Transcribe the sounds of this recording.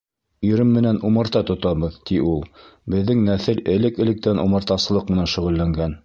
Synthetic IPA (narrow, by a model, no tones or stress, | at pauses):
ɵɾɘmːɘ̆nænumɤ̆ɾt̪ɑt̪ŏt̪ɑβɤðt̪iulˠbɘ̆ðːɘŋnæθɘlɘ̆lɘkɘ̆lɘ̆k̚t̪ænʔumɤ̆ɾt̪ɑsɤ̆lˠɤq̚mɘ̆nænʃɵ̆ʁɘ̆lːæŋɡæn